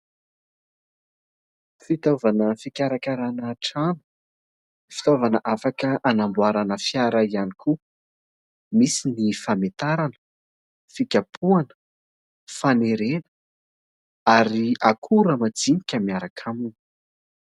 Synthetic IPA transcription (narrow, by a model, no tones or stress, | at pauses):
fit̪ovanəfikʲaɾakaɾanaʈ͡ʂanu̥ | fi̥t̪ovanəʔafakəʔanambuaɾanəfjaɾaianikʰu | misinifamet̪aɾanə̥ | fikʲapʰuanə̥ | faneɾenə̥ | aɾiakʰuɾəmad͡zinikʲəmiaɾakʰamun